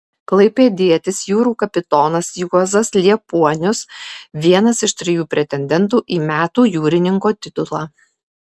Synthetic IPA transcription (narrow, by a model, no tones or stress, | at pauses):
klˠɐɪpʲeːd̪ʲiɛt̪ʲɪsjuːɾuːkɐpʲɪt̪ɔːnɐsjuɔzɐslʲiɛpuɔnʲʊsʋʲiɛnɐsɪʃt̪ʲɾʲɪjuːpʲɾʲɛt̪ʲɛnʲd̪ʲɛnt̪uːʔiːmʲæːt̪uːjuːɾʲɪnʲɪŋkoːt̪ʲɪt̪ʊlˠɑː